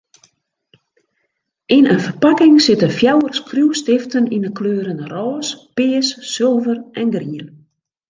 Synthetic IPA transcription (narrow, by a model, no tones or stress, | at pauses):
ʔinənfərpakɪŋsɪtənfjawərskruwstɪftəninəkløːɾənərɔːspɪːsːɪlˠvərʔɛnɡriən